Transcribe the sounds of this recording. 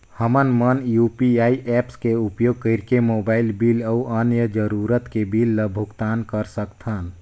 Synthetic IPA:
həmənmənjupiaːiʔɛpskeupjoːɡ̚kəɪɾkemoːbaːɪlbiːləuʔənjəd͡ʒəɾuɾət̪kebilːəbʱʊkt̪aːnkəɾsəkt̪ʰən

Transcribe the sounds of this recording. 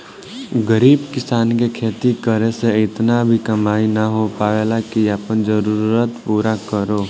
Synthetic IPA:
ɡəɾiːbkɪsaːnkekʰeːt̪ikəɾeseɪt̪nabʱikəmaːinaɦopaːʋeːlakiapənd͡ʒəɾuuɾət̪puːɾakəɾoː

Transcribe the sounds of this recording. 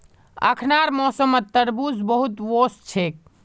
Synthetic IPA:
ə̰kʰnaɾmɔsəmət̪ːəɾbuzbəɦut̪ʋost͡ʃʰek̚

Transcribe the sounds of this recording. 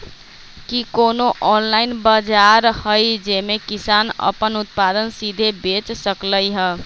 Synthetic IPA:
kikonoʔɔnlainbəd͡ʒaɾhəjd͡ʒemekisanə̰pənut̪̚pad̪ənsid̪ʱebet͡ʃsəkləjɦə

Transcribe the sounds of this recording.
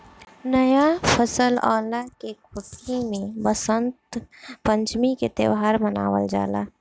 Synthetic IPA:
nəjapʰəsəlɔ̰ːlakekʰʊʈʰemẽbəsənt̪pəɲt͡ʃmiket̪ḛʋɦaɾməna̰ːʋə̰ld͡ʒa̰ːla̰

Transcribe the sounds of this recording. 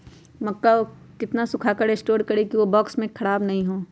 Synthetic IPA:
mɐkːao | kɪt̪nasʊkʰaːkəɾeːsʈoːɾkɐɾekiʋobɔːksmẽkʰɐɽaːbnɐɦĩɦoː

